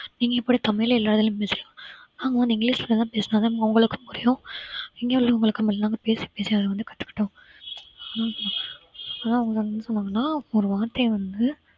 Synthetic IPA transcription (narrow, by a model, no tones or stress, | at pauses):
niːŋɡɐɛpːoːʈɐt̪ɐmɐjlɐɪlːaːɾɐðɪlʊ̃mpeːsɪlãːaːŋɡɐʋɐnd̪ɪŋɡɭiːspɐlɐd̪ãːpeːsnaːðaːmɐŋɡɐʊŋɡɐɭɯkːɯmkʊɾɪjʊ̃ɛŋɡeːɐllɐʊŋɡɐɭɯkːɐmɐlːnaːŋɡɐpeːsi̥peːsiɐðɐʋɐnd̪ɯkɐʈːɯ̥kːɪ̥ʈːõː | naː | aːnaːɐʋɐŋɡɐsɐnɡɐnd̪ɯsɔnːaːŋɡɐnːaːɔɾɯʋaːɾt̪ɐʋɐnd̪ɯ